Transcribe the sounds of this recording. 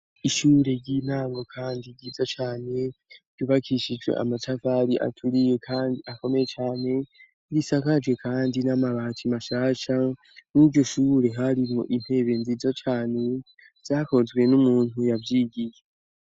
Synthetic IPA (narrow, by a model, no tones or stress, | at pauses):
iʃuːɾe̞ɟiːn̥aːŋɡo̞kʰaːndiɡizat͡ʃaːne̞ɡ̥ɟuβakʰiʃid͡ʒwḛʔa̰matavaɾiʔa̰tʰuɾije̞kʰaːndiako̞me̞jet͡ʃaːne̞ | ɾisakad͡ʒwe̞kʰaːndinamaβaːtʰimaʃaːʃa | niɾɟo̞ʃuːɾe̞ɦaɾimo̰ʔin̥he̞ːβe̞nzizat͡ʃaːne̞ | z̥aːko̞zɡwe̞numuːn̥ujavjiːɡije